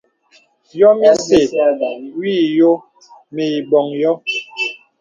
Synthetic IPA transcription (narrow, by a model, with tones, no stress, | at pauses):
jɔ˦mja˦se˨wiː˦˨jo˦ | me˨i˨bɔ˨ŋjɔ˦